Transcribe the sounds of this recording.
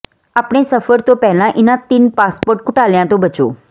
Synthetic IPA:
aːpɽ̃esɐfəɾt̪opɛɦlãʔɪnãt̪inpaːspoːɾʈ̚kʊʈaːljãt̪obət͡ʃo̰ː

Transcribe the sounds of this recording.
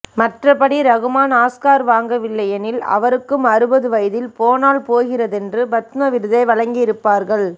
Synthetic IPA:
mɐʈrɐpɐɽiɾɐɣɯmaːnaːskaːɾʋaːŋɡɐʋɪɭːɐjɐnɪlɐ̰ʋɐɾɯkːɯmɐɾɯbɐðɯʋɐjðɪlpoːnaːlpoːɣɪrɐðɛndrɯbɐt̪mɐʋɪɾɯðɐɪʋɐɻɐŋɡɪɪɾɯpːaːɾɣɐɭ

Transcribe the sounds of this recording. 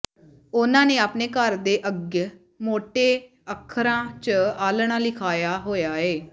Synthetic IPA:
ʊnãːneːaːpneːkəɾd̪eːʔəɡ | moːʈeː | əkʰːɾãːt͡ʃəaːlɳ̃ãːlɪkʰaːjaːɦoːjaːeː

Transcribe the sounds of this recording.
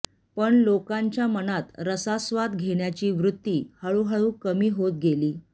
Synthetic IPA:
pəɳlokãɲt͡ɕjamənat̪ɾəsasʋat̪ɡʱeɳjat͡ɕiːʋɾut̪ːiːhəɭuɦəɭuːkəmiːɦot̪̚ɡeliː

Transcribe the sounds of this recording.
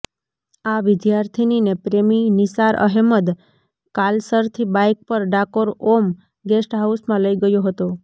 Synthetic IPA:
aʋɪd̪jaɾt̪ʰininepɾeminɪsaɾʔə̰ɦeməd̪ | kalsəɾt̪ʰibajk̚pəɾɖakoɾom | ɡesʈɦausmãləiɡəjoɦət̪o

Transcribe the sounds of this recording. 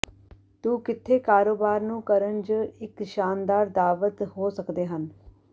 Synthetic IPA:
t̪uːkɪt̪ʰːeːkaːɾoːbaːɾnũːkəɾənd͡ʒɪkʃaːnd̪aːɾd̪aːʋət̪hoːsəkd̪eːɦən

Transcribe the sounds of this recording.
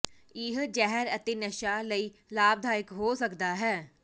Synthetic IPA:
ɪɦd͡ʒɛɦəɾət̪eːnəʃaːləiːlaːb̚d̪ʱaːɾɪkɦoːsəkd̪aːɦɛː

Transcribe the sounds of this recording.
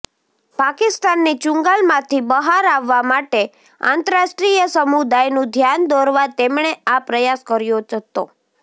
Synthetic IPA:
pakɪst̪anːit͡ʃʊ̃ŋɡalmãt̪ʰibəɦaɾaʋːamaʈe | ã̰nt̪əɾaʃʈɾijəsəmud̪ajnũd̪ʱjand̪ɔɾʋat̪emɳ̃eapɾəjaskəɾjod͡ʒət̪o̰

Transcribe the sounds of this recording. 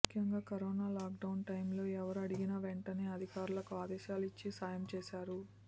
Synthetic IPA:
kʰjɐŋɡaːkɐɾoːnaːlaːk̚ɖɐwnʈɐjmlo̞ːɛʋɐɾɐɽiɡinɐʋeɳʈɐneːɐd̪ʱikaːɾulɐkuaːd̪ɛːʃaːlit͡ʃːisaːjɐmt͡ʃeːʃaːɾu

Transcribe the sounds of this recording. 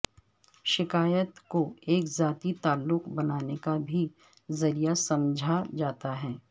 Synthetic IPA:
ʃɪkaːjət̪koeːkzaːt̪it̪aːlːʊqbɐnaːnekabʱi | zɐɾijasɐ̃md͡ʒʱad͡ʒaːt̪aɦɛː

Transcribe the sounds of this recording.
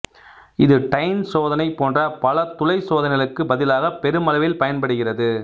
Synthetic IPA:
ɪðɯʈɐɪnsoːðɐnɐɪpːoːndrɐpɐlɐt̪ʊlɐɪsoːðɐnɪɣɐlɯkːɯbɐðɪlaːɣɐpɛɾɯmɐlɐʋɪlpɐjɐnpɐɽɯɣɪrɐðɯ

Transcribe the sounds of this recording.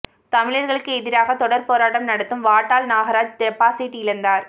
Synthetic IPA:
t̪ɐmɪɭɐɾɣɐɭɯkːɯɛðɪɾaːɣɐt̪ɔɽɐɾpoːɾaːʈɐmnɐɽɐt̪ːɯmʋaːʈːaːlnaːɣɐɾaːd͡ʒt̪ɾɐpːaːsiːʈːɯɪlɐnd̪aːɾ

